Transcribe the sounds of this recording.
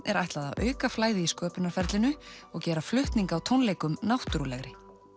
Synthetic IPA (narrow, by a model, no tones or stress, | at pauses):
ɛ̰ɾajht̪laða̰wœ̰ːɥkaflaːjðɪiskœːpɪnaɾ̥fɛɾt̪lɪnʏɔɣcɛːɾaflʏht̪niŋkawt̪ʰownlejkʏmnawht̪ɾulɛɣɾɪ